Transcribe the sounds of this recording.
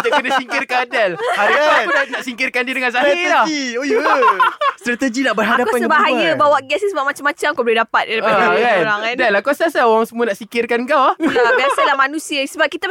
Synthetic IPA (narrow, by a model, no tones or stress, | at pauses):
dakənasiŋkɪrkadalhaɾiaunanaʔsiŋkɪrkandiədəŋãnsaɦilai | st̪ɾat̪əd͡ʒinaʔbərɦadaaasəbaɦajəbawaʔɡɛssəbaʔ̚mat͡ʃamːat͡ʃamkabəlidapat̪̚daɾipaɡaɾaŋandalakasasaoɾaŋsəmũənaʔsiŋkɪrkanŋkawahlabiasalamanũsiəsəbap̚kit̪a